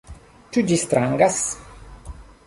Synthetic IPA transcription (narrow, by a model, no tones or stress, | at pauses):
t͡ʃud͡ʒist̪ɾaŋɡas